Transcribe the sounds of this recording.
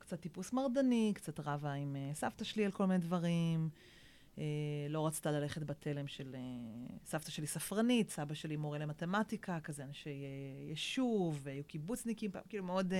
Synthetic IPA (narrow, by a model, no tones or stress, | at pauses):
kt͡sat̪ːipusmaʁdanikt͡sat̪ʁavaimesaftaʃelialkolminedvaʁim | elo̞ʁat͡si̥t̪alale̞χetbatʰe̞le̞mʃe̞lesaftaʃelisafʁanitsabaʃelimoʁelemate̞matikʰakazeanʃejejeʃuveajukibut͡snikimpa̰mkilumeo̞d